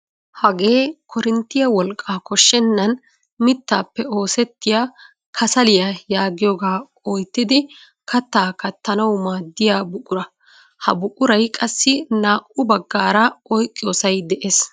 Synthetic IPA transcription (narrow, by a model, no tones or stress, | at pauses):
hɐɡe̞ːkɔɾɪnt̪ːɪjɐwɔlkʼːaːkɔʃːɛnːɐn | mɪt̪ːaːpːɛo̞ːsɛt̪ːɪjaː | kʰɐsɐlɪjɐjaːɡɪjoːɡaː | ɔjt̪ːɪd̪ɪ | kɐt̪ːaːkɐt̪ːɐnɐwmaːd̪ːɪjaːbʊkʼːʊɾɐ | hɐ̰bʊkʼːʊɾɐjkʼɐsːɪnaːʔʊbɐɡːaːɾɐɔjkʼːɪjoːsɐjd̪ɛʔeːs